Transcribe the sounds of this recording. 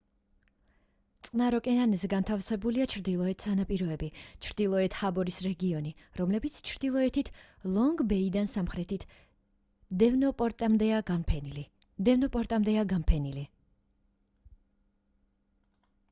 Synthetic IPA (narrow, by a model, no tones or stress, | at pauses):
t̪sʼqʼnaɾɔkʼɛnanɛzɛɡant̪ʰafsɛbuliat͡ʃʰɾd̪ilˠɔɛt̪ʰsanapʼiɾɔɛbit͡ʃʰɾd̪ilˠɔɛt̪ʰhabɔɾisɾɛɡiɔniɾɔmlɛbit̪sʰt͡ʃʰɾd̪ilˠɔɛt̪ʰit̪ʰ | lˠɔŋɡbɛid̪ansamχɾɛt̪ʰt̪ | d̪ɛnɔpʼt̪md̪ɛa | d̪ɛvnɔpʼɔɾt̪ʼamd̪ɛaɡampʰɛnili